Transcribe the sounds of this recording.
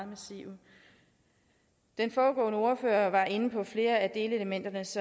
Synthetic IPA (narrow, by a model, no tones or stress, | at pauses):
mæsḭʊ | d̥enfɒːɡ̥ɔ̰̽ːnəo̝ɐfø̰ːɐʋɑ̈ʔe̝npʰɒ̽fle̝ːɐæd̥e̝ːləeləmen̰d̥ɐnəsɒ